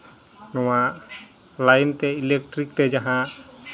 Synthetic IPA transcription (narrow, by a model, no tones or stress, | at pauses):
nɔwaʔ | lajnt̪ɛilɛk̚ʈɾik̚t̪ɛd͡ʒaɦã